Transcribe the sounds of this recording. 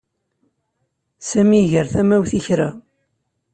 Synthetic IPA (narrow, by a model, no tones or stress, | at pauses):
sæmiʝəɾθæmæwθiçɾæ